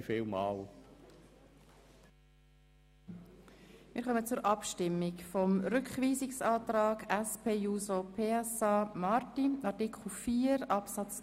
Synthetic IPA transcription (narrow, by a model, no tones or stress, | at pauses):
filmɑ̰ːl | mɪɾχœmət͡sʊɾʔɑpʃtɪmːɪkfɔmɾʏkχʋiːzɪksɑːt̪ɾɑːɡæspʰeːjuːzopʰeːɛsɑːmɑɾtiɑɾtikχl̩fiːəɾɑpsɑt͡s